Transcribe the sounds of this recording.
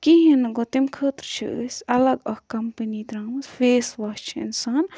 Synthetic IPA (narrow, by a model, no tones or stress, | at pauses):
kiɦinɐɡot̪imkʰəːt̪ɾt͡ʃʰḭʔə̰sʲɐlɐɡɐhkɐmpənit̪ɾãːmsfeːsʋɐɦt͡ʃʰiḭnsaːn